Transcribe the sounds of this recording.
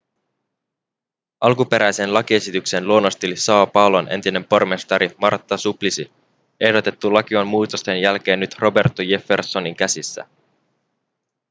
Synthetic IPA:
ʔɑlkupe̞ɾæjse̞nlɑkie̞sit̪ykse̞nluonːo̞st̪ilisɑːɑpɑlonʔe̞̰nt̪ine̞mpo̞rme̞st̪ɑɾimɑrt̪ːɑsuplisi | e̞hdo̞t̪e̞t̪ːulɑk̟iɑmmuːt̪ost̪e̞njælk̟e̞ːnːyt̪rʔo̞be̞rt̪ːojefːe̞rso̞niŋk̟æsisːæ̰

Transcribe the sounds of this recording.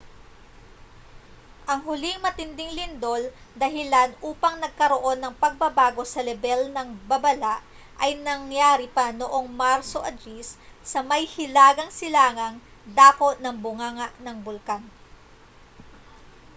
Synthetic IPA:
ʔɐŋɦʊlɪŋmɐt̪ɪnd̪ɪŋlɪnd̪o̞ld̪ɐɦɪlanʔuːpɐŋnɐɡ̚kɐɾoʔo̞nːɐŋpɐɡ̚bɐbaːɡo̞sɐlɛbɛlnɐŋbɐbɐlaʔ | ʔɐjnɐŋjaːɾipɐnoʔo̞ŋmaɾsoʔɐd̪ɾissɐmɐjhɪlaːɡɐŋsɪlaːŋɐŋ | d̪aːko̞ʔnɐŋbʊŋaːŋɐʔnɐŋbʊlkan

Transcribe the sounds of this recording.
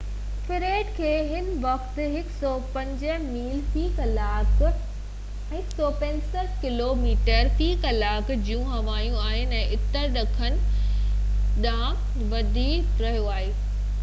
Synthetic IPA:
fɪɾeːɖkʰeːɦɪnʋɐxt̪̆ɦɪksɔːpɐ̃ɲd͡ʑəmiːlp̪ʰiːkɐlaːkʊ | ɦɪksɔːpɐ̃ɲsəʈʰkɪloːmiːʈəɾt̪ʰiːkɐlaːkd͡ʑiːũɦɐʋaːjũaːɦɪnɪ̆ɛ̃ːʔɪt̪əɾɗɐkʰənɪ̆ | ɗãː | ʋɐd̪ʱiːkɾɐɦijoaːɦeː

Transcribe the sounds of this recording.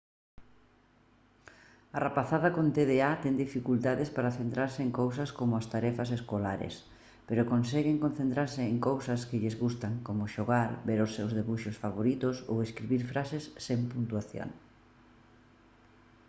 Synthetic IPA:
arapaθaðɐkont̪eðeat̪ɛŋd̪ifikult̪aðespaɾaθent̪ɾaɾsɪeŋkowsɐskomʊast̪aɾɛfɐseskolaɾḛs | peɾʊkonsɛɣeŋkon̟θent̪ɾaɾsɪːŋkowsɐskɪʎɪzɣust̪aŋkomʊʃoɣaɾbeɾʊsːewzðeβuʃosfaβoɾit̪ʊso̰weskɾiβiɾfɾasesːeŋpunt̪uaθjo̰ŋ

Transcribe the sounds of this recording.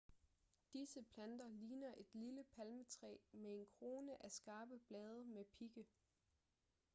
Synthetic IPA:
d̥isəpʰlænd̥ɐliːnɐʔe̝d̥liləpʰælmət͡sʰʁɛ̰ːmee̝nkʰʁo̝ːnəʔæsɡ̥ɑ̈ːb̥əb̥lɛːð̞ˠɐmepʰiɡ̥ə

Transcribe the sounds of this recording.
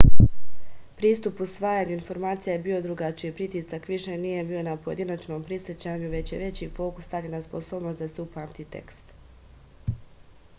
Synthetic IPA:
pɾiːst̪upusʋaːjaːɲuinfo̞ɾmaːt̪sijajebiːo̞d̪ɾuɡat͡ʃijepɾit̪isakʋiʃe̞niːje̞biːo̞napo̞jed̪inat͡ʃno̞ːmpɾisjet͡ɕaːɲuʋe̞t͡ɕje̞ʋe̞t͡ɕifo̞ːku̥st̪alʲinaspo̞soːbno̞sd̪aseupaːmt̪it̪e̞̰kst̪

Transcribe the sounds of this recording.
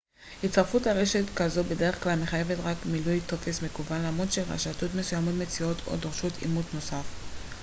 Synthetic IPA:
hitt͡staʁfuthaʁe̞ʃetkazobe̞deʁeχklalmeχaje̞vetʁakmilujt̪o̞fesme̞kubanlamʁodʃelʁa̰ʃatotmesujamotme̞t͡sio̞tʰo̞̰doʁʃotʰḭmutno̞saf

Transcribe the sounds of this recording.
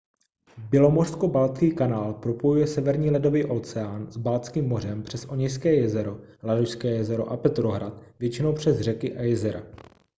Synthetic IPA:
bɪlo̞morsko̞balt͡skiːkanaːlpɾo̞po̞jujɛsɛvɛɾɲiːlɛdo̞viːʔot͡sɛaːnzbalt͡skiːmːo̞r̝ɛmpr̝̥ɛsʔo̞ɲɛjs̬kɛːjɛzɛɾo̞ladoʃskɛːjɛzɛɾo̞̰ʔapɛt̪ɾo̞ɦɾat̪vjɛt͡ʃɪno̞wpr̝̥ɛzrɛkɪʔajɛzɛɾa̰

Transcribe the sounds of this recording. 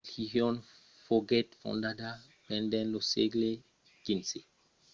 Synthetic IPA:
lhihjɔ̃n | foɡɛtfɔ̰̃ndada | bɛ̃ndɛ̃nloseɡle | ɡ̥insi

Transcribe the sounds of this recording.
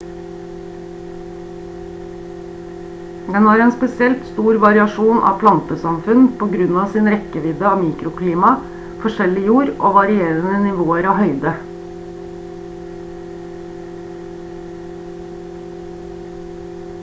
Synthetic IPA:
d̪ɛnɑːɾeːnspɛsɪɛlt̪st̪uːɾʋɑɾɪɑʃuːnʔɑ̰ːpʰlɑnt̪əsɑmfʉnpʰoːɡɾʉnɑːsiːnɾɛkəʋɪd̪əɑːmiːkɾʊkʰliːmɑ | fɔʃɛlɪjuːɾʔo̰ːʋɑɾɪeːɾənənɪʋoːəɾɑːhœʏd̪ə

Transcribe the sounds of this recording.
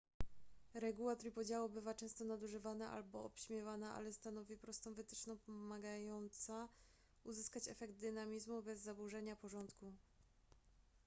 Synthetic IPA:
ɾɛɡuwat̪ɾipɔd͡ʑawubɘvat͡ʂɛ̃w̃st̪ɔnad̪uʐɘvanaʔa̰lbɔɔpɕmʲjɛvanaʔa̰lɛst̪anɔvʲipɾɔst̪ɔ̃w̃vɘt̪ɘ̥t͡ʂnɔ̃w̃pɔmaɡajɔnt̪sa | uzɘskat͡ɕɛfɛɡd̪̚d̪ɘnamʲizmubɛzːabuʐɛɲapɔʐɔnt̪ku

